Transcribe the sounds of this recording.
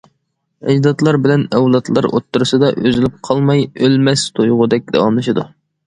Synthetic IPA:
ɛ̰d͡ʒd̪ɑt̪lˠɑɾbɪlɛnɛwlˠɑt̪ʰlˠɑɾo̰t̪ʰːuɾɨsɨd̪ɑʔø̰zɪlɪp̚qʰɑlˠmɑjølmɛst̪ʰojʁʊd̪ɛk̚ʲd̪ɑ̰wɑmlˠɨʃɨd̪u

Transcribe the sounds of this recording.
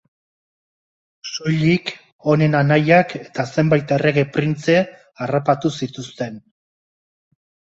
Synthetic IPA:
so̞ʎik | o̞ne̞nanajake̞̥t̪ase̞mbajt̪e̞re̞ɣe̞pɾint͡se̞ | arapat̪usit̪ust̪e̞n

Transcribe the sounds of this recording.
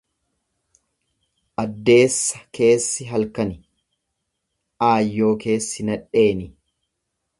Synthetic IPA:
ʔɐd̪ːe̞ːsːɐ̥kʰe̞ːsːɪɦɐlkɐnɪ | ʔaːjːo̞ːke̞ːsːɪnɐᶑe̞ːnɪ

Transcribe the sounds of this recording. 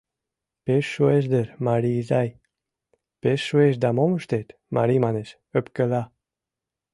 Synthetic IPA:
peʃwezd̪əɾmaɾizaj | pesʃwezd̪amɔmʃt̪et̪ma̰ɾimaneʃ | øpkəla

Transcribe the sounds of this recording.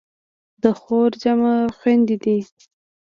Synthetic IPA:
d̪əxoɾd͡ʒamaxwand̪id̪i

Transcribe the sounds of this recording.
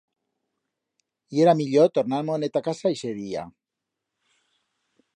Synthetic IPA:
ieɾamiʎot̪oɾnaɾmonet̪akasaiseðia̰

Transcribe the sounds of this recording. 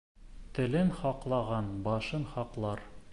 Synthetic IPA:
t̪ɘ̆lɘnχɒqlˠɑʁɑnbɒʃɤnχɒqlˠɑɾ

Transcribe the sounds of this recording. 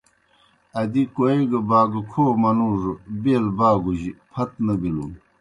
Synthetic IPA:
ɐd̪ikoeɡɐbaːɡukʰoːmɐnuːʐobeːlbaːɡuʑipʰɐt̪nɐɡilun

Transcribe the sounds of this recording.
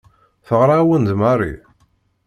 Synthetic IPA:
θəʁɾˤɑwənd̪marˤḭ

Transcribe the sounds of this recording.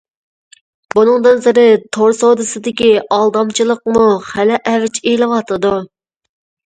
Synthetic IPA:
bunɨŋd̪ɨnzɪɾɪt̪ʰoɾsod̪ɨsɪd̪ɪkʲiɑlˠd̪ɑmt͡ʃʰilˠəqmuχælɛʔɛvɪt͡ʃelɨwɑt̪ʰɨd̪u

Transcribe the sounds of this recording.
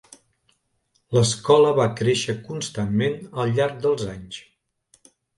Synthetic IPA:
ləskɔləβakɾeʃəkunst̪ammenəlˠʎːaɾɡ̚d̪əlˠzaɲs

